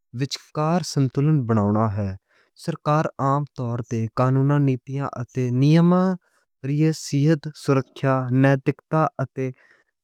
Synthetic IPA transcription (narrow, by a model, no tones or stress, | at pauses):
ʋɪt͡ʃkaːɾsənt̪ʊlənbəɽ̃aːʊɳaːɦɛː | səɾkaːɾaːmt̪ɔːɾt̪eːkaːnuːnãːniːt̪ijã̰ːʔət̪eːnɪjəmãː | ɾijeːsiːɦət̪sʊɾəkʰːjaːnɛːt̪ɪkt̪aːʔət̪eː